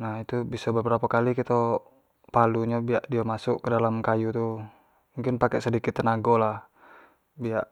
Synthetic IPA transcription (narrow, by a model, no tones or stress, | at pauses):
nahit̪ubisɔbəbɾapakalikit̪o | paluɲabiaʔdiamasʊʔkədalamkajut̪u | muŋkɪnpakɛʔsədikɪt̪ːənaɡolah | biaʔ